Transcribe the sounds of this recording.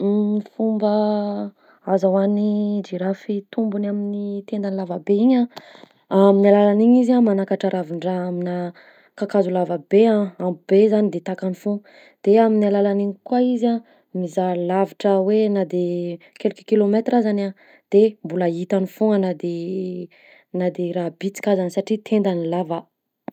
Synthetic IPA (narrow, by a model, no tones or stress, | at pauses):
ifumba | azawanid͡ʒiɾafit̪umbunaminit̪end̪anilavabeiɲã | aminalalaniɲizamanakaʈ͡ʂaɾʔaviɳɖ͡ʐaamina | kakazulavabeãamub̥ezanid̪et̪akanifu | d̪̥eaminalalaniɲikwaiza | mizalaviʈ͡ʂəwenad̪e | kelikʲukilomet̪razana | d̪̥embulait̪anifuanad̪e | nad̪eɾabit͡si̥kʲazanisaʈ͡ʂit̪ʰend̪anilavə